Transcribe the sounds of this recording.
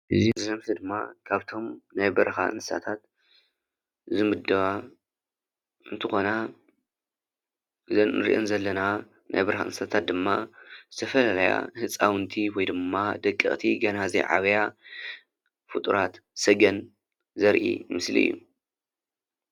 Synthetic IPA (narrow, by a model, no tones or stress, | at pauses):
ʔɨzinzɨzɐmsɨd̪ɨmːa̰kʰaβt̪ʰo̞mnajbɐɾɐxa̰ɨ̰nsɨsa̰t̪ʰat̪ | zɨmɨd̪ɐβa | ʔɨnt̪ʰɨxo̞na | ɨzɐnɨɾḭʔonzɐlːɐna | na̰jbɐɾɐxa̰ʔɨnsɨ̥sat̪ʰat̪̚d̪ɨmːa̰zɨt̪ʰɐfɐlalɐja̰hɨt͡sʼawɨnt̪ʰiwɔjd̪ɨmːad̪ɐkʼːɨχʼt̪ʰiɡɐnazḭʕa̰βɐja | fɨt̪ʼuɾat̪ | sɐɡɐn | zɐɾʔḭmɨsliɨ̰jːṵ